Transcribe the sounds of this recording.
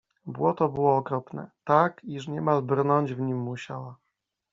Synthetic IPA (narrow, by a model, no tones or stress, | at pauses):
bwɔt̪ɔbɘwɔːkɾɔpnɛ̰t̪akiʂ̬ɲɛmalbɾnɔɲd͡ʑvɲimːuɕawa